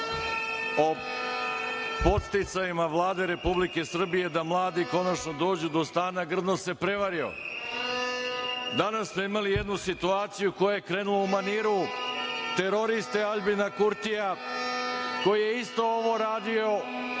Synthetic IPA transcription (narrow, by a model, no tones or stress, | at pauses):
o̞ | po̞t̪st̪it̪sajimaʋlˠaːd̪e̞ɾe̞publike̞sr̩bije̞d̪amlˠaːd̪iko̞nat͡ʃno̞d̪o̞ːd͡ʑud̪o̞st̪aːnaɡr̩d̪nose̞pɾe̞ʋaɾio̞̰ | d̪anasːmoimalije̞d̪nusit̪uaːt̪sijuko̞jejekɾenuloumaniːɾu | t̪e̞ɾo̞ɾist̪aaʎbinakuɾt̪ija | ko̞jije̞ist̪o̞oʋo̞ɾaːd̪io̞